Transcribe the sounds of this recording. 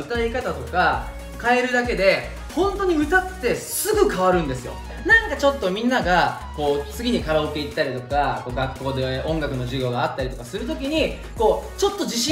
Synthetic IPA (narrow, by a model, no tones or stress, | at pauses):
ɯ̟t̪aikat̪at̪o̞ka | kae̞ɾɯ̟d̪ak̬e̞d̪e̞ | hõ̞nt̪o̞ɲ̟iɯ̟t̪at̪ːe̞sɨɡɯ̟kaβaɾɯ̟̃nd̪e̞sɨjo̞̰ | nãŋkat͡ɕo̞t̪ːo̞mʲĩnːaɡa | ko̞ːt͡sɨɡʲiɲ̟ikaɾaoke̞it̪ːaɾʲit̪o̞kako̞ːɡakːo̞ːd̪e̞õ̞ŋɡakɯ̟no̞ʑɨɡʲo̞ːɡaːt̪ːaɾʲit̪o̞kasɨɾɯ̟t̪̬o̞kʲiɲ̟i | ko̞ːt͡ɕo̞t̪ːo̞d͡ʑiɕĩ